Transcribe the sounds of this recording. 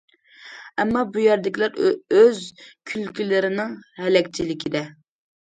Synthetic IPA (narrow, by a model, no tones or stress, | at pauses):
ɛmːɑbujɛɾd̪ɪkʲilæɾøzkʲʰylkʲylɪɾɪnɨŋhɛlɛkʲt͡ʃʰilɪkʲʰid̪ɛ